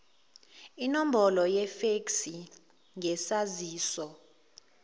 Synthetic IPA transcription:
inom̩bɔlɔjɛfeksi | ŋʱɛsaziːsɔ

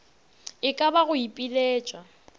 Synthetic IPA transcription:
ɪkʼabaɣʊipʼileːt͡ʃʼwa

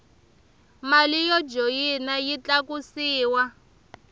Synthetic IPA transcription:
malijɔd͡ʒojinajit͡ɬakusiːwa

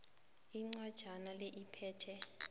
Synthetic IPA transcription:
iŋ͡ǀwad̥ʒ̥ʱanaleʔipʰɛːtʰɛ

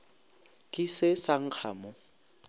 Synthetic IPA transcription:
kʼisɪsaŋ̩k͡xʰa̰ːmɔ

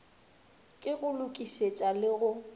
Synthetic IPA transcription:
kʼɪɣʊlʊkʼiʃet͡ʃʼalɪɣʊ

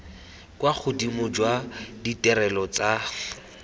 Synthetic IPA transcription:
kwak͡xʰʊdimʊd͡ʒwaditʼɛɾɛlɔt͡sa

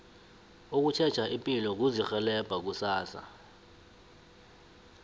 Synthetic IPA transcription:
ok̬ut͡ʃʰɛt͡ʃʰaʔipʼilɔk̬uzixɛlɛb̥ʱak̬usaːsa̰

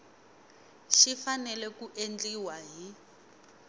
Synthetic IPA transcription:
ʃifanɛlɛkuʔend͡ɮiwaɦi

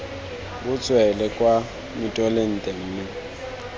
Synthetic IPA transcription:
bʊt͡sʼwɛlɛkʼwa | mɪtʼɔlen̩tʼɛŋ̩ːnɛ

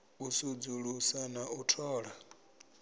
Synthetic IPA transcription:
usud͡zuɺusanautʰɔːɺa

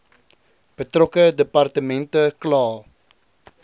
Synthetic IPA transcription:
b̥ətrɔkədəpɐrtəmɛntəklɑː

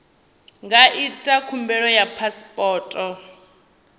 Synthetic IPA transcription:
ŋɡaʔitʼakʰumbɛɺɔjapʰaspʼɔːtʼɔ

